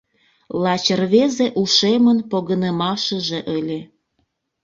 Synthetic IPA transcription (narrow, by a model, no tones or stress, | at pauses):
lɑt͡ɕərβezeʔuʃemənpoɣənəmɑʃə̆ʒeʔəlʲe